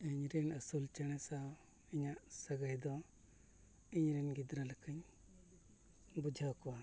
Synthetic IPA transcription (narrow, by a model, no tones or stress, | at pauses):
iɲɾinəsult͡ʃəɽ̃ɛsaw | iɲaʔsəɡəjd̪ɔ | iɲɾinɡid̪ɾaləkʰəɲ | bud͡ʒʱɔkɔwa